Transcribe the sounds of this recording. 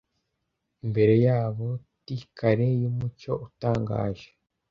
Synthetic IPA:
imbe̞ɾe̞jaːβo̞ | tikʰaɾe̞jumut͡ʃo̞ʔutaːŋɡa̰ːʒe

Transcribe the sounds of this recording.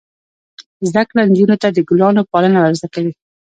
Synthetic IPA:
zd̪akland͡ʒunot̪ad̪əɡʊlɑnopɑlənawaɾzakawi

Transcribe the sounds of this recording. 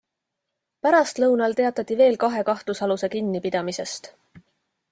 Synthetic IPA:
pæɾɑst̪lɤwnɑlt̪e̞ɑt̪ːˑɑt̪ːˑive̞ːlkɑɦe̞kɑht̪usɑluse̞kinːipid̪̥ɑmise̞st̪

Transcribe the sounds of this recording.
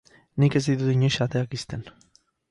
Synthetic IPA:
nike̞zd̪it̪uðiɲojʃat̪eakist̪en

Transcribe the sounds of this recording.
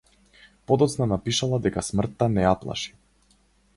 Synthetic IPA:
pɔd̪ɔt̪snanapiʃalˠad̪ɛkasmr̩t̪ːanɛjaplˠa̰ʃi̥

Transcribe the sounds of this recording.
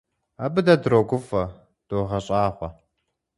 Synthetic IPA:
abɨdɐdɾoɡʷʊfɐ | d̥oːʁɐɕʼaːχʷɔ

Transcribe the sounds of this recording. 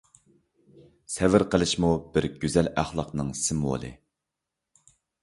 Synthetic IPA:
sɛvɪɾqʰəlˠɨʃmub̥ɪɾɡ̥ʲyzælæχlˠɑqnɨŋsɪmwo̰lˠɨ̰

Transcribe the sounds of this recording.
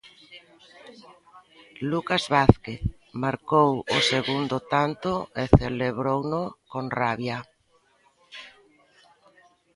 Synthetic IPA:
lukazβaθkeθ | maɾkowʊseɣund̪ʊt̪ant̪ʊeθeleβɾownʊkonraβja

